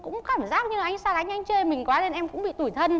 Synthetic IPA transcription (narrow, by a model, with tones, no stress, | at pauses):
kʊ̰˧˥ŋ͡mkaː˧˩mzaː˦˥k̚ɲɨ˧lʔa˧jŋ̟saː˧˩la˨˧˦ŋ̟ʔa˧jŋ̟t͡ɕəː˧jmï˨˩ŋ̟kwaː˨˦le˧nʔɛ˧mkʊ̰˧˥ŋ͡mɓḭ˧˨t̪u˧˩jt̪ʰə˧n